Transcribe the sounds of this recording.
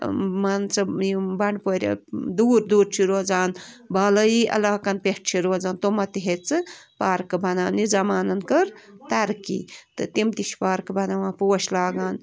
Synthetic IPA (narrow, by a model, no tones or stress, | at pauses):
mɐnt͡sɐjbɐɳpoɾʲɐ̰d̪uːɾd̪uːɾt͡ʃʰiɾoːzaːnbaːlɐjiʔɐ̰laːkɐnpeʈt͡ʃʰiɾoːzaːnt̪omɐt̪iɦet͡sɨpaːɾkɨbɐnaːnizɐmaːnɐnkəɾt̪ɐɾkḭːt̪ɨt̪imt̪iʃpaːɾkbɐnaʋãːpoːʃlaːɡaːn